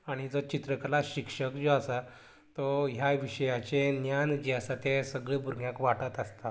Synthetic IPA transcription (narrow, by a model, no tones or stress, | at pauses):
aɽ̃id͡zɔt͡ɕit̪ɾəklaɕikʂəkd͡zoasa | t̪ɔɦjaʋiɕəjat͡ɕenjand͡ʑiasat̪esəɡɭebʱuɾɡjãkʋaʈət̪əst̪a